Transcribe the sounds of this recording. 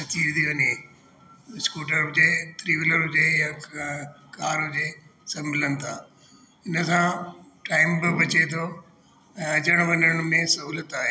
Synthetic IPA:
sɐt͡ɕiːɾt̪ʰiʋɐne | skuːʈəɾd͡ʑeːt̪ɾiʋɪləɾʊd͡ʑeːja | kaːɾod͡ʑeːsɐmɪlənɪ̆t̪ʰaː | ɪnəsãʈaːɪmbɪbɐt͡ɕet̪ʰo | ɛ̃ːɐd͡ʑəɽ̃ʋɐɲəɽ̃mẽsɐɦuːlət̪aːɦeː

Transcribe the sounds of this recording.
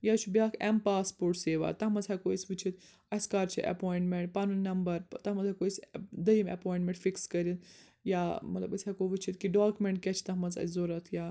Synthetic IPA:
jat͡ʃʰubiaːkʰɛmpaːspoːɾʈseːʋa̰ːt̪ɐɦmɐzɐkoisʲʋɨt͡ʃʰit̪ | ɐskaːɾt͡ʃʰiʔɐ̰poːiɳʈmeɳʈ̚pɐnunɐmbɐɾt̪ɐmɐzɐkoːisʲd̪ɐimɐ̰poːjĩɳʈmẽɳʈfikskɐɾit̪ | jamɐt̪lɐ̰bɐsʲɐkoʋɨt͡ʃʰit̪kiɖaːkʲumeɳʈ̚kʲɛt͡ʃʰi̥t̪ɐɦmɐnzɐ̰zoɾɐt̪ʰjaː

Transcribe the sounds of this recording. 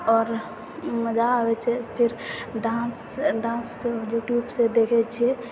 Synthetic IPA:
ɔːɾ | məd͡ʒawɛt͡ʃʰepʰɪɾɖãs | ɖãːnsːejuʈjubsed̪ekʰɛt͡ʃʰe

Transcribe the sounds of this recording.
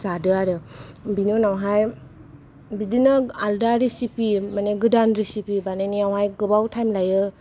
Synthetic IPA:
zadɯaɾɯbinunawɦaj | bidinɯaldaɾisipimaneɡɯdanɾisipibanajniawɦajɡɯbawtʰajmlajɯ

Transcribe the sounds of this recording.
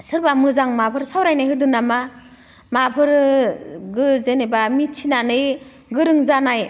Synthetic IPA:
sɯɾbamɯzaŋmabʰʱɯɾsawɾajnajɦɯdunːama | mabʰʱɯɾ | ɡɯzenebamit̚t͡ʃʰinanɯj | ɡɯɾɯŋzanaj

